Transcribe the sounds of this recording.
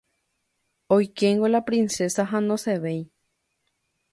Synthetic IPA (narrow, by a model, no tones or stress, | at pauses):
ojkeŋɡolapɾĩnsesaɦãnõseʋej